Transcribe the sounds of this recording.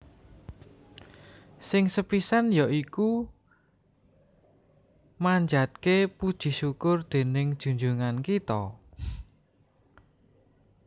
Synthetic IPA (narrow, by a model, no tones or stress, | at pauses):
sɪŋsəpisanjaʔiku | maɲd͡ʒad̪̚kepud̥ʒ̥i̤ʃukʊrd̪̥e̤nɪŋd̥ʒ̥ṳɲd͡ʒuŋankit̪ɔ